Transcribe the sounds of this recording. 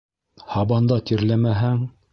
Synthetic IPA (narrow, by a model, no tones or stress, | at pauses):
hɑbɑnd̪ɑt̪iɾlæmæɦæŋ